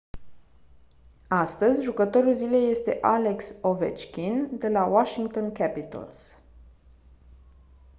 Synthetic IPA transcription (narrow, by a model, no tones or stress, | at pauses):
ast̪əzʲʒukət̪o̞ɾulzile̞jːe̞st̪e̞̰ʔale̞kso̞vḛt͡ʃkʲind̪e̞lawaʃiŋɡ̚t̪o̞nkʲæpit̪ə̰ls